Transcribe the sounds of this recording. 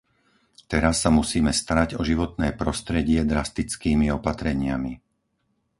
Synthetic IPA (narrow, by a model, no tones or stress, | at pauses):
t̪ɛɾasːamusiːmɛst̪aɾaɟɔʒiʋɔt̪nɛːpɾɔst̪ɾɛɟɪɛd̪ɾast̪it͡skiːmiɔpat̪ɾɛɲɪami